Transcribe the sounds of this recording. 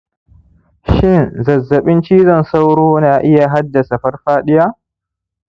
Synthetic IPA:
ʃɪ˦˨nzɐ˨zːɐ˨ɓɪ˦nt͡ʃiː˦zɐ˦˨nsa˦wɽoː˦naː˨ʔɪ˦ja˨ɦa˦dːɐ˨sa˨ɸɐ˦rɸaː˦ɗɪ˦jaː˦ʔ

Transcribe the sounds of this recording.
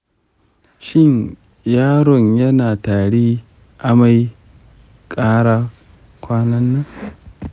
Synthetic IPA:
ʃɪ˦ɲ | jaː˦ɽɔ˨ɲjɐ˦naː˨taː˨ɽeː˦ | ʔa˦ma˦j | kʼaː˦ɽaː˦ | kʷaː˦nɐ˦nːa˦

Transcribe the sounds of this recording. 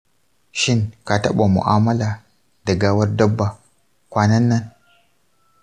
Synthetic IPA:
ʃɪ˦ŋka˨tɐ̰˦ɓa˨mʊ̰˨ʔaː˦mɐ˦la˨ | da˨ɡaː˦wɐ˦rdɐ˦bːa˨ | kʷaː˦nɐ˦nːɐ˦n

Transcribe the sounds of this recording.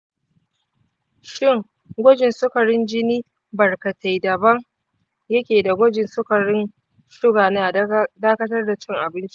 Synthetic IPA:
ʃɪ˦˨ŋ | ɡʷɔ˦d͡ʒɪ˨nsʊ˦kɐ˨ɽɪ˦nd͡ʒɪ˦niː˦ | bɐ˨rkɐ˨tʰa˨jdɐ˨bɐ˦ŋ | jɐ˦kʲeː˨da˨ɡʷɔ˦d͡ʒɪ˨nsʊ˦kɐ˨ɽɪ˦n | ʃʊ˦ɡaː˨naː˦daː˦kɐ˦tɐ˦rda˨t͡ʃɪ˦ŋʔa˨bɪ˦nt͡ʃi̥˦ʔ

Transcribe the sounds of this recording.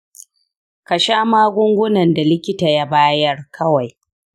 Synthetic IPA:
ka˨ʃaː˦maː˦ɡʷʊ˦ŋɡʷʊ˦nɐ˨nda˨lɪ˦kʲɪ˦ta˨ja˦baː˦jɐ˦rkʰɐ˦wa˨j

